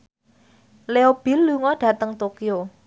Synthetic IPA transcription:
leob̥i̤lːuŋɔɖ̥ä̤t̪əŋt̪okio

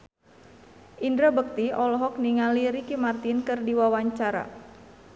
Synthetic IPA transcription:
ʔindɾabək̚t̪iɔlɔɦɔk̚niŋaliɾikimart̪inkɨrdiwawaɲt͡ʃaɾa̰

